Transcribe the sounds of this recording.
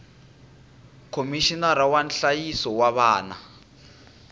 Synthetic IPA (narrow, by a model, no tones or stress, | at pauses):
kʰomiʃinaɾawanɬajisɔwaβaːna̰